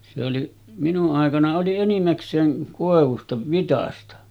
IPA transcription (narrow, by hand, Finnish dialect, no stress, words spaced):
se oli minuʔ ʔɑˑekɑnɑ oli enimæksˑeːŋ koˑeʋustɑ ʋitɑstɑ